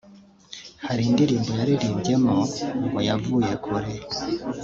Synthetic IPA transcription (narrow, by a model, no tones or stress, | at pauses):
haɾiːndiɾiːmbo̞jaɾiɾiːmɟe̞mouɡojavuːje̞kʰuɾe